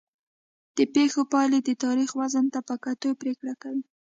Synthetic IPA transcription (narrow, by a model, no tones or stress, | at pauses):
d̪̥əpexopɑled̪ət̪ɑɾixwazənt̪apəkat̪ojpɾekɽakawi